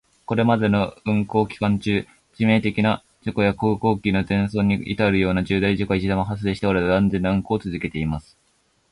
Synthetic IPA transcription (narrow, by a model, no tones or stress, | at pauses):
ko̞ɾe̞mad̪e̞no̞ɯ̟̃ŋko̞ːkʲi̥kãɲ̟t͡ɕɨː | d͡ʑime̞ːt̪e̞kʲina | d͡ʑoko̞jakoːko̞ːkʲino̞zẽ̞ɰ̃so̞ːɲ̟ːiḭt̪aɾɯ̟jo̞ːnad͡ʑɨːd̪aiʑikoit͡ɕid̪amaɦas̬ɨd̪eɕi̥t̪eaɾead̪ãnd͡zẽ̞nːaɯ̟̃ŋko̞ːt͡sɨzɨke̞t̪e̞imasɨ̥